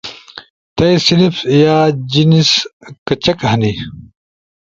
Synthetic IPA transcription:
t̪ɐjsilifjaːd͡ʑiniskɐt͡ɕɐkɦɐni

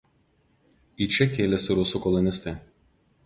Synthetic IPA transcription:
iːˑt͡ʃʲɛkʲeːlʲɛsʲɪɾʊsukɔlˠɔnʲɪsʲt̪ʲɛ

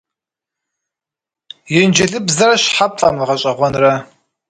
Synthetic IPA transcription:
jɪnd͡ʒɐɮɨbzɐɾɐɕħap̚ʰɬʼa̰mlɨʁɐɕʼɐʁʷɔnrɐ

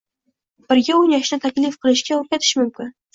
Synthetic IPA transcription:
b̥ɪɾɡʲaʊnjɒʃnɪt̪ʰakʲlɪfqʰɨlˠɪʃkʲaoɾ̚kʲat̪ʰɪ̥ʃmʊmkʲɪn

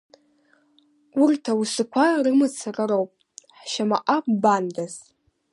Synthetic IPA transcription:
urtʰawusɨkʷʰarɨmɨt͡sʰarɨɾowpʼ | ħʃamaʔakʷʼbandaz

